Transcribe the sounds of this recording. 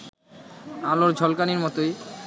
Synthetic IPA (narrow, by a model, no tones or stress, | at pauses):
aloɾd͡ʑʱɔlkaniɾmɔt̪oj